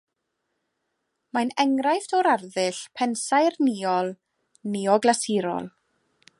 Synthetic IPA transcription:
manɛŋrajftʰɔɾarðɨɬpʰɛnsajrniːɔlˠ | niɔɡlˠasiɾɔ̰lˠ

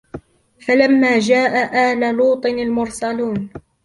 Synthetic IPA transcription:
falamːaːd͡ʒaːʔaʔaːlaluːt̪ˤɨnalmʊɾsaluːnn

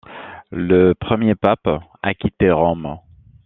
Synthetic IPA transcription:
ləpχəmjepapakʲit̪eʁɔm

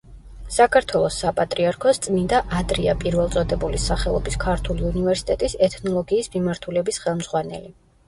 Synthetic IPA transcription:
sakʰaɾt̪ʰwɛlˠɔsːapʼat̪ʼɾiaɾkʰɔst̪sʼnind̪aʔad̪ɾia̰pʼiɾvɛlˠt̪sʼɔd̪ɛbulisaχɛlˠɔ̰biskʰaɾt̪ʰuliunivɛɾsi̥t̪ʼɛt̪ʼisɛt̪ʰnɔlˠɔɡiːsmimaɾt̪ʰulɛbisχɛlˠmz̥ʁwanɛ̰li

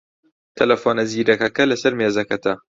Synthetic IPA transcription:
t̪ʰɐlɐfoːnɐziːɾɐkɐkɐlɐsɐɾmeːzɐkɐt̪ʰɐ

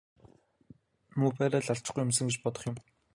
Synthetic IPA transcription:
mupæːɾaːɮaɬt͡ɕ̆ɡujʊmsə̆ŋɡet͡ɕpɔt̪ɞ̆χjʊ̆m

